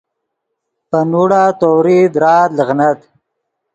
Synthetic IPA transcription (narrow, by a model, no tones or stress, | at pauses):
pənuɽaːt̪owɾid̪ɾɑːləɣnat̪